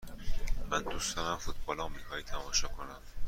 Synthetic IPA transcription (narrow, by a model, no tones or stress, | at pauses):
mænd̪usd̪ɒɾæmfut̪̚bɒːlɒːmixɒːjit̪ʰæmɒːʃɒːkʰonæm